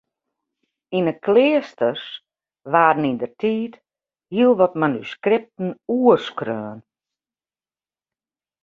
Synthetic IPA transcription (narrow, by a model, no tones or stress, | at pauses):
inəkʰlɪːəstəs | ʋaːdn̩indərtʰiːt | hiəlˠʋɔtmanyskrɪp̚tn̩uərskrøːn